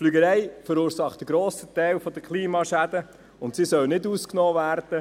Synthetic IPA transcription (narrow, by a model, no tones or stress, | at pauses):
flyɡəɾɛɪfəɾuːɾsɑχt̚d̥əɡɾɔːsət̪ɛɪlfɔd̥̪əkʰliːmɑːʃæd̥̪ə | ʊntsisœlnɪduːsknɔːvæːɾd̥ə